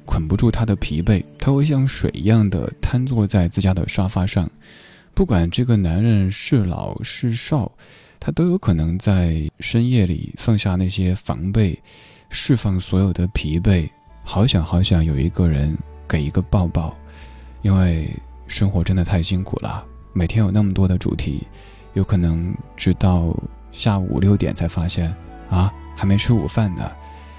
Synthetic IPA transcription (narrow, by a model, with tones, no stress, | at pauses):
kʰwə˨˩npu˧˥ʈ͡ʂu˥˩t̪ʰa˥d̪ə˨pʰḭ˧˥pe˥˩ɪt̪ʰa˥xwe˥˧ɪɕ̬jɑ˥˩ŋʂwḛ˨˩ɪ˧˥jɑ˥˩ŋd̪ə̰˩t̪ʰa˥nt͡swɔ˥˧t͡sa˥˧ɪt͡sɹ̩˥˩t͡ɕja˥d̪ə̰˨ʂwa˥fa˥ʂɑ˥˧ŋ | pu˥˩kwa˨˩nʈ͡ʂɤ˥˩ɡə˩na˧˥nɻə˥˧nʂɻ̩˥˩lɑ̰˨˩ʊʂɻ̩˥˧ʂɑ˥˩ʊ | t̪ʰa˥t̪o˥ʊjo˧˥ʊkʰɤ˨˩nɤ˧˥ŋt͡sa˥˩˧ɪʂə˥njɛ˥˩lḭ˨˩fɑ˥˧ŋɕja˥˧na˥˩ɕjɛ˥fɑ̰˧˥ŋpe˥˧ɪ | ʂɻ̩˥˧fɑ˥˩ŋswɔ˧˥jo˨˩ʊd̪ə˦pʰi˧˥pe˥˩ɪ | xɑ˧˥ʊɕjɑ˧˥ŋxɑ˧˥ʊɕjɑ˧˥ŋjo˨˩ʊḭ˧˥ɡə˧ɻə̰˧˥nke˨˩ɪi˧˥ɡə˧pɑ˥˧ʊpɑ˥˩ʊ | i˥nwe˥˩ɪ | ʂə˥ŋxwɔ˧˥ʈ͡ʂə˥nd̪ə˨t̪ʰa˥˩ɪɕi˥nkʰṵ˨˩lʔɐ̰˦ | me˨˩ɪtʰjɛ˥njo˨˩ʊna˥˩mə˩t̪wɔ˥d̪ə˨ʈ͡ʂṵ˨˩t̪ʰḭ˧˥ | jo˧˥ʊkʰɤ˨˩nɤ˧˥ŋʈ͡ʂɻ̩˥t̪ɑ˥˩ʊ | ɕja˥˩ṵ˨˩ljo˥˩ʊt̪jɛ̰˨˩nt͡sʰa˧˥ɪfa˥ɕjɛ˥˩n | ɐ˧xa˧˥ɪme˧˥ɪʈ͡ʂ̩ʰ˥ṵ˨˩fa˥˩nd̪ə̰˩